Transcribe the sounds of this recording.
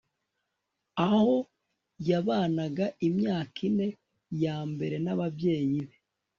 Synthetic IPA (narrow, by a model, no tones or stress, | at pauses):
aho̞ | jaβaːnaɡaʔimɲaːkine̞ | jaːmbe̞ɾe̞naβavɟe̞ːɲiβe